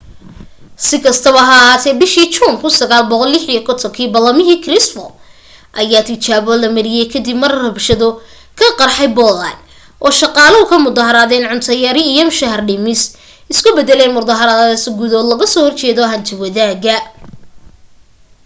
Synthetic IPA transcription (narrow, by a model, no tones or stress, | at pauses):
sɪkʰɐst̪ʰɐβɐɦɐːɦaːt̪ʰɛːbɪʃiːt͡ʃuːŋkʰʊsɐɣaːlbɔqɔlːɪħijɐkʰɔt̪ʰɔŋkʰiːbɐlːɐmɪɦiːkʰrɪsfɔ̰ | ʔɐjaːt̪ʰɪt͡ʃaːβɔːlɐmɐɾɪjɛjkʰɐd̪ɪbmɐrrɐbʃɐðɔ | kʰɐqɑrħɑjbɔla̰n | ʔɔːʃɑqɑːlɐʊkʰɐmʊd̪ɐhɐɾaːðɛːnʕʊnt̪ʰɐjɐɾɪijɔmʃɐɦɐrɖɪmɪs | ɪskʰʊbɛd̪ɛlɛjnmʊd̪ɐɦɐɾaðɐðɐsɡʊðɔːd̪lɐɣɐsɔːhɔrt͡ʃɛːðɔɦɐnt̪ʰɪwɐðaːɣɐ